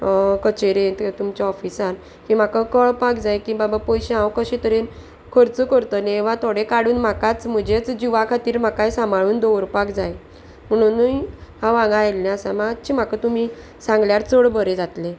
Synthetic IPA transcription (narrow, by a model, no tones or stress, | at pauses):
kət͡ɕeɾẽt̪t̪umt͡ɕaɔfisaɾ | kim̤akakəɭpakd͡zajkibabapɔjɕeãwkəɕẽt̪əɾen | kʰəɾt͡sukəɾt̪əneːʋ̤at̪ʰoɽekaɽuːnm̤akat͡sm̤əd͡ʑet͡sd͡ʑiʋakʰat̪iːɾm̤akajsamaɭuːnd̪oʋɾpakd͡zaj | m̤əɽ̃unːujɦãʋãŋɡaelːẽasãmat͡ɕʰim̤akat̪um̤i | sãŋɡljaɾt͡soɭbəɾed͡zat̪le